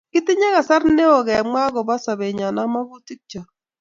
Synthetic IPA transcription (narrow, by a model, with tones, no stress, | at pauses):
kɪ˦tɪ˦ɲɛ˦ɣa˨sa˦rne˦o˨ɣɛ˨mwa˦ɣɔ˨ba˦sa˨βe˨ɲa˨na˦ma˦ɣʊ˦ti˦k̚t͡ʃa˨